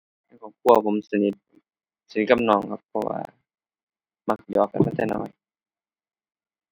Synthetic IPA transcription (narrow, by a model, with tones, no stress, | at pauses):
a˧˩kʰɔː˨˩kʰu˧˩ɐpʰo˨˦msa˧ni˦t̪̚ | sa˧ni˦t̪̚ka˧m̚nɔː˧˩ŋkʰa˧pʰːɔ˧wa̰ː˧ | ma˧˩k̚jɔː˧˦kːa̰˧˨na˧˩t̪ʰɛː˧˩˨nɔ̰ː˧˩j